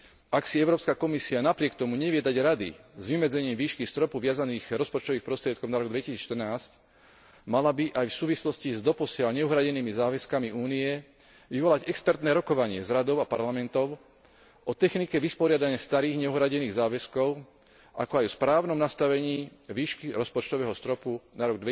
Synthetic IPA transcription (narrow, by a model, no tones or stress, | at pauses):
ʔaksiɛʊɾɔːpskakɔmisianapɾɪɛkt̪ɔmuɲɛʋɪɛd̪aɟɾad̪ḭzʋimɛd͡zɛɲiːmʋiːʃkist̪ɾɔpuʋɪazaniːɣɾɔspɔt͡ʃt̪ɔʋiːxpɾɔst̪ɾɪɛt̪kɔʊnaɾɔɡd̪ʋɛcisiːt͡sʃt̪ərnaːsc | malabiʔajfsuːʋislɔscizd̪ɔpɔsɪalɲɛuɦɾaɟɛniːmizaːʋɛskamiʔuːniɛ | ʋiʋɔlaɟɛkspɛɾt̪nɛːɾɔkɔʋaɲɪɛzɾad̪ɔʊapaɾlamɛnt̪ɔʊ | ʔɔt̪ɛxnikɛʋispɔɾɪad̪aɲɪast̪aɾiːɣɲɛuɦɾaɟɛniːɣzaːʋɛskɔʊ | a̰kɔajɔspɾaːʊnɔmnast̪aʋɛɲiːʋiːʃkiɾɔspɔt͡ʃt̪ɔʋɛːɦɔst̪ɾɔpunaɾɔɡd̪ʋɛ